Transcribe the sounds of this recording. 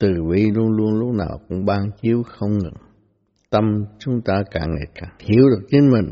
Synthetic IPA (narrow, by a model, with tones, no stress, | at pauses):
t̪ɨ˨˩vi˧˩lu˧ənlu˧ənlʊ˦˥k͡p̚na̰ː˨˩wkʊ̰˧˥ŋ͡mɓaː˧ŋt͡ɕi˨˦əwxə˧wŋ͡mŋɨ̰˨˩ŋ | t̪ə˧mt͡ɕʊ˨˦ŋ͡mt̪aː˧kaː˧˩ŋŋḛ˧˩kaː˧˩ŋt̪ʰi˧˩˦əwɗɨ˨˩ək̚t͡ɕe˧˦nmï˨˩ŋ̟